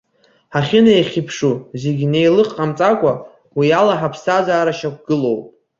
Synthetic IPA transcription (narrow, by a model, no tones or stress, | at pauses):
ħaχʲɪnajχʲipʰʂuze̞ɡʲnejlɨqʼqʼamt͡sʼakʷʼa | wialaħapʰsazaːɾaʃak̚ʷʰɡ̥ɨlo̞wpʼ